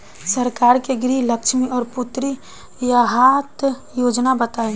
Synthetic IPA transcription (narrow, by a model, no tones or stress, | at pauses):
səɾkaːɾkeɡɾiːləkʃmiɔːɾpʊt̪ɾi | jaɦaːt̪ | joːd͡ʒnabət̪aːe